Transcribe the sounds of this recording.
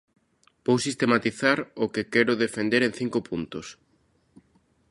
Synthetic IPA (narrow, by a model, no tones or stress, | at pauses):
b̥owsist̪emat̪iθaɾʊkɪkɛɾʊðefend̪eɾẽn̟θiŋkopunt̪ʊs